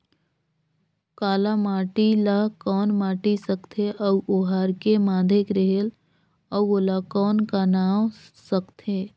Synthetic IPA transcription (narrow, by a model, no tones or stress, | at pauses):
kaːlamaːʈilakɔːnmaːʈisəkt̪ʰeʔəwoɦaːɾkemaːd̪ʱekɾeɦel | əwoːlakɔːnkanaːwsəkt̪ʰeː